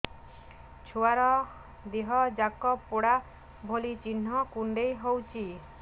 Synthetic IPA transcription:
t͡ʃʰuaɾɔ | d̪iɦɔd͡ʒakɔpːoɽa | bʱolit͡ʃin̤ːɔkuɳɖejɦowt͡ʃʰi

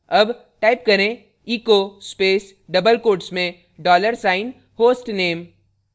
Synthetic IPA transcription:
ɐb | ʈaːɪp̚kɐɾẽ | iːkoːspeːs | ɖɐbəlkoːɖsmẽ | ɖɔːləɾsaːɪn | hoːsʈneːm

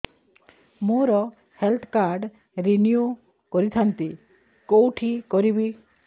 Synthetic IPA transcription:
moɾɔ | helt̪ʰkaɾɖ | ɾiniu | kɔɾit̪ʰant̪i | kowʈʰikɔɾibi

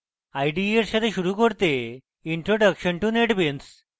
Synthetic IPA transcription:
ajɖieɾɕad̪eɕuɾukəɽt̪e | iɳʈɾoɖəkɕəɳʈuneʈbens

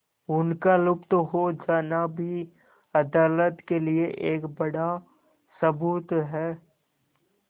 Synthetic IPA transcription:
ʊnkalʊpt̪oɦod͡ʒaːnabʱi | ɐd̪aːlət̪kelieʔeːkbɐɽa | səbuːt̪ɦɛː

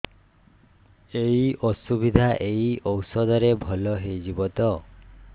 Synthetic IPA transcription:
eiɔsubid̪ʱaʔeiʔɔwsɔd̪ɔɾebʱɔlɔɦejd͡ʒibɔt̪ɔ

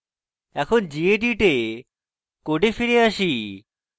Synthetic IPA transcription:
ɛkʰond͡ʑieʈiʈe | koʈefiɾeaʃi

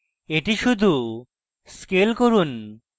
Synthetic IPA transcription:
eʈiʃud̪ʱu | skelkoɾun

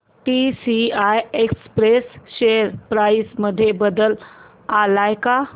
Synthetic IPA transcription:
ʈisiajekspɾesɕeəɾpɾajisməd̪ʱːjebəd̪əl | alajka

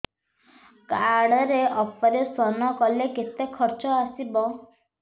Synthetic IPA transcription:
kaɽɔɾeʔɔpɔɾesɔnɔkɔleket̪ekʰɔɾt͡ʃɔasibɔ

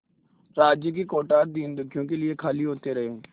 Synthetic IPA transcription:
ɾaːd͡ʒjək̬ikoːʈaːɾd̪iːnd̪ʊkʰjõkeliekʰaːliɦoːt̪eɾɐɦeː

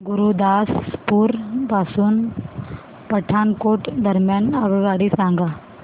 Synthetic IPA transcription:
ɡuɾud̪aspuɾbasuːn | pəʈʰankoʈd̪əɾmjanaʋiɡaɽisãŋɡa

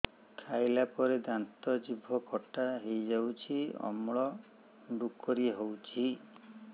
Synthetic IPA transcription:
kʰajlapɔɾed̪ant̪ɔd͡ʒibʱɔkʰɔʈaɦejd͡ʒawt͡ʃʰiɔ̰mɭɔ | ɖukɔɾiɦowt͡ʃʰi

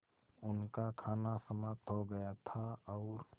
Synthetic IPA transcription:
ʊnkakʰaːnasəmat̪ɦoɡɐjat̪ʰaɔːɾ

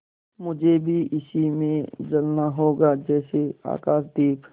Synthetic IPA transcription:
mʊd͡ʒʱebʱiʔɪsimẽd͡ʒɐlnaɦoːɡad͡ʒɛːsea̰ːkaːʃd̪eːp

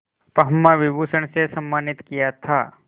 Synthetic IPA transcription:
pɐɦəmːaʋɪbuːsəɳ̃sesɐmːaːnɪt̪kijat̪ʰaː

